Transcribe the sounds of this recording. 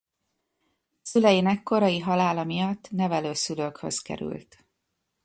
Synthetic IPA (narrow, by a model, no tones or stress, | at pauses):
sylɛjinɛkːo̞ɾɒjiɦɒlaːlɒmijɒt̪ːnɛvɛløːsyløːkhø̰skɛ̰ɾy̰lt̪